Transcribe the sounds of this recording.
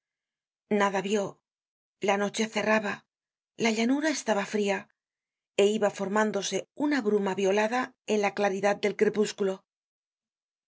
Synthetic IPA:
naðaβjo̞ | lano̞t͡ʃe̞θe̞raβa | laʎanuɾae̞st̪aβafɾia | e̞iβafo̞ɾmãnd̪o̞se̞unaβɾumaβjo̞laðae̞nlaklaɾiðad̪̚d̪e̞lkɾe̞puskulo̞

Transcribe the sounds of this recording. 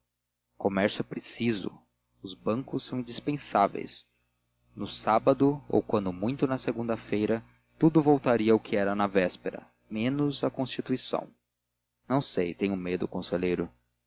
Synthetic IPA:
komɛɾsjʊɛpɾesizʊ̰ | ʊzbɐ̃ŋkʊsːɐ̃w̃ĩnd͡ʒispẽsavḛjs | nʊsabɐd̪ʊo̰wkwɐ̃nd̪ʊmũj̃t̪ʊnɐseɡũnd̪ɐfejɾɐ | t̪ud̪ʊvowt̪aɾiɐʊkʰɪɛɾɐnɐvɛspeɾɐ̰ | mẽnʊzɐkõst͡ʃit̪uisɐ̰̃w̃ | nɐ̃w̃sejt̪ẽɲ̃ʊmed̪ʊʊkõseʎejɾʊ

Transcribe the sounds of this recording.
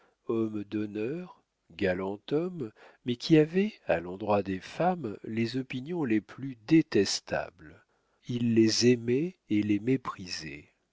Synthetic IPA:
ɔmd̪ɔnœʁ | ɡalɑ̃t̪ɔmːɛkʲʰiavɛa̰lɑ̃d̪ʁwad̪efamlezɔpinjɔ̃leplyd̪et̪ɛst̪a̰bl | ilːezɛmɛelemepχizɛ̰

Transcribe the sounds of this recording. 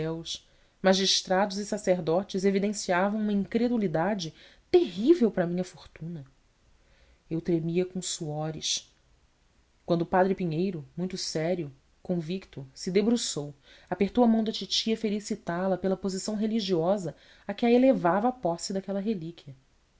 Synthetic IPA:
ɛwʃ | maʒiʃt̪ɾad̪ʊzɪsaseɾd̪ɔt͡ʃɪzevid̪ẽsiavɐ̃w̃ũmɐĩŋkɾed̪ulid̪ad͡ʒɪt̪eɦivewpɾɐmĩɲɐfoɾt̪ũnɐ | ewt̪ɾemiɐkõsuɔɾɪʃ | kwɐ̃nd̪ʊːpad̪ɾɪpiɲejɾʊmũj̃t̪ʊsɛɾiʊ | kõvikt̪ʊsɪd̪ebɾusow | apeht̪owɐmɐ̃w̃d̪ɐt͡ʃit͡ʃiɐfelisit̪alɐpelɐpozisɐ̃w̃ɦeliʒiɔzɐ | akɪaelevavɐːpɔsɪd̪akɛlɐɦelikʰʲiɐ

